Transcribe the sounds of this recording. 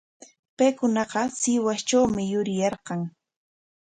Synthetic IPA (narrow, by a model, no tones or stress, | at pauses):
pajkʊnɑqɑsɪwast͡ʃawmɪjʊɾɪjɑɾqɑŋ